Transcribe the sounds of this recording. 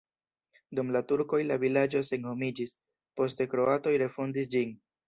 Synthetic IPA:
dumlatuɾko̞jlavilad͡ʒo̞se̞nho̞mid͡ʒis | po̞ste̞kɾo̞ato̞jɾe̞fondis̬d͡ʒin

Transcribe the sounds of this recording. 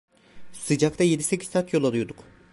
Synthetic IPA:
sɯd͡ʒakt̪ʰajed̪ise̞cʲi̥ːaːt̪ʰjo̞lˠalujd̪uk

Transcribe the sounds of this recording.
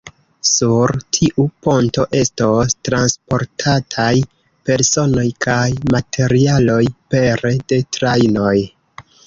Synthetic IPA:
suɾtʰiʔupo̞nto̞ʔe̞stostɾanspo̞ɾtʰatʰaj | pe̞ɾso̞no̞jkʰajmatʰe̞ɾialo̞jpe̞ɾde̞tɾajno̞j

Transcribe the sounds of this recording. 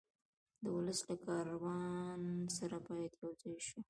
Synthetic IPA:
d̪əwʊləslakɑɾawɑnsaɾapɑjat̪jawzajʃu

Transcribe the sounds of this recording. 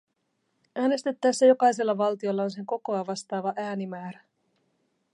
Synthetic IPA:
ʔæːne̞st̪et̪ːæjsːæjo̞kɑjse̞lːɑʋɑlt̪io̞lːɑonse̞ŋko̞ko̞ɑʋɑst̪ɑːʋɑʔæːnimæːɾæ

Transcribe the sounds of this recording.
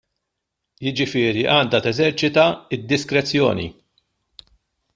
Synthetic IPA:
jɪd͡ʒɪfɪːɾiʔɐːnd̪ɐt̪ɛzɛɾt͡ʃɪt̪ɐɪd̪ːɪskɾɛt͡sːjɔ̰ːnḭ

